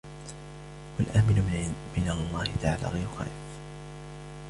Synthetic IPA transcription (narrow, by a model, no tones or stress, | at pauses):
walʔaːmɪnmɪnalˤːɑːhɪt̪aʕaːla̰ːɣajɾʊxa̰ːf